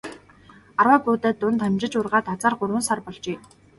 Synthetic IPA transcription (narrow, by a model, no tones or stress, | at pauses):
arwaːpuːt̪æːt̪ːʊnt̪amʲt͡ɕɪ̆t͡ɕʊrʁaːt̪at͡saːrɢʊɾwə̆nsarpɔɮt͡ɕeː